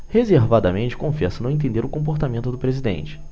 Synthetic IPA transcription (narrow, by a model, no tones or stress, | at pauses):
hezeɾvad̪ɐmẽnt͡ʃɪ̥kõfɛsɐnɐ̃w̃ẽt̪̬ẽnd̪eɾʊkõp̬oɾt̪amẽnt̪ʊd̪ʊpɾezid̪ḛ̃nt͡ʃɪ̥